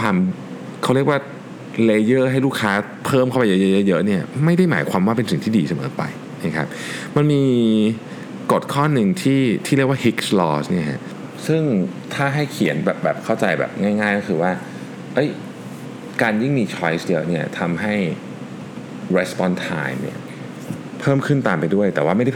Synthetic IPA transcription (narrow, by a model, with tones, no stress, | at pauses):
kʰwaː˧m | kʰa˦wɾi˥˩kwaː˥˩ | leː˧jɤː˥˩ɦa˥˩jluː˥˩kʰaː˦˥ | pʰɤː˥˩mkʰa˥˩wpa˧jə˦˥jə˦˥jɤ˦˥jɤ˦˥ʔni˥˩ɐma˥˩jda˥˩jmaː˩˦jkʰwaː˧mwaː˥˩pe˧nsi˨˩ŋt̪ʰiː˥˩diː˧sa˧mɤ̰ː˩˦pa̰˧j | na˦˥˩kʰa˦˥p̚ | ma˧nmiː˧ | ko˨˩t̪̚kʰɔː˥˩nːɯ˧ŋt̪ʰiː˥˩t̪ʰiː˥˩ɾi˥˩ək̚waː˥˩hi˦˥k̚slɔː˧˥sni˥˩ɐkʰa̰˦˥ʔ | sɯ˥˩ŋ | t̪ʰaː˥˩ɦa˥˩jkʰi˨˩˦ənbɛː˨˩p̚bɛ̰ː˨˩p̚kʰa˥˩wt͡ɕa˧jbɛ̰˨˩p̚ŋaː˥˩jŋaː˥˩jkɔː˥xʰɯː˧waː˥˩ | ʔɤ˦˥j | kaː˧nji˥˩ŋmiː˧t͡ɕʰɔ˦˥jsjɤ˦˥ʔni˥˩ɐt̪ʰa˧mɦa˥˩j | ɾe˧˦˥spɔ˧nt̪ʰa̰ː˧jmnḭ˦˥˩ɐ | pʰɤː˥˩mkʰɯ˥˩nt̪aː˧mpa˧jdu˥˩əjt̪ɛː˨˩waː˥˩ma˥˩jda˥˩